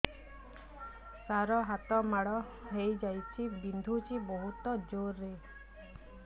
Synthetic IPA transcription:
saɾɔɦat̪ɔmaɽɔ | ɦejd͡ʒajt͡ʃʰibind̪ʱut͡ʃibɔɦut̪ɔd͡ʒoɾːe

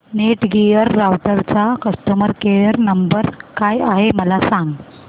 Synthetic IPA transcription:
neʈɡijəɾːawʈəɾt͡sakəst̪əməɾkeɭəɾnəmbəɾkajaɦeməlasãŋɡ

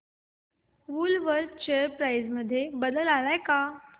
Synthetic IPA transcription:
ʋuːlʋəɾt͡ɕejəɾpɾajzməd̪ʱːjebəd̪əlalajka

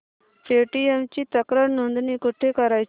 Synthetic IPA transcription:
peʈiemt͡ɕit̪əkɾəɾnund̪nikuʈʰekəɾaj

